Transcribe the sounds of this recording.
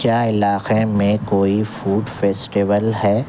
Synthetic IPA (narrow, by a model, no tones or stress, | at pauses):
kjaːɪlaːqemẽkoːifuːɖfeːsʈiːʋəlɦɛː